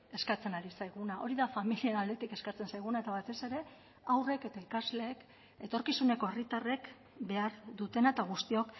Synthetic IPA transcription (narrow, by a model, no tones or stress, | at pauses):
e̞skat͡se̞naɾisajɣ̞unaʔo̞ɾiðafamilie̞nald̪e̞t̪ike̞skat͡se̞nsajɣ̞unaet̪aβat̪e̞se̞ɾe̞ | awre̞ke̞t̪aikazle̞ːk | et̪o̞ɾkisune̞ko̞e̞rit̪are̞k | be̞aɾðut̪e̞naet̪aɣ̞ust̪io̞k